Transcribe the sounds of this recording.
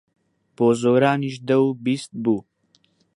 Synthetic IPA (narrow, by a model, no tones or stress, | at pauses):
poːzoːɾaːniːʃd̪ɛwbiːst̪̚buː